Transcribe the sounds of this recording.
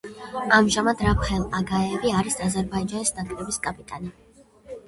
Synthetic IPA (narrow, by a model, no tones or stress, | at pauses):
amʒamad̪ɾapχɛlˠaɡaɛviaɾisazɛɾbaid͡ʒanisnakʼlɛbiskʼapʼit̪ʼani